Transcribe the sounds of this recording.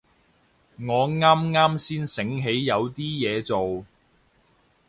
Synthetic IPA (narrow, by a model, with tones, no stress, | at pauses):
ŋɔː˨˧ŋaː˥mŋaː˥msiː˥nsɪ˨˥ŋɦe˨˥jjɐ˨˧wt̪iː˥jɛː˨˧t͡so˨w